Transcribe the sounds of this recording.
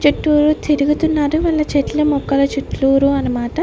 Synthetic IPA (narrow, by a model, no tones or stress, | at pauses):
t͡ʃuʈːuːɾut̪ʰiɾuɡut̪unːaːɾuʋɐlːɐt͡ʃeʈlɐmɔkːɐlɐt͡ʃuʈluːɾuɐnɐmaːʈɐ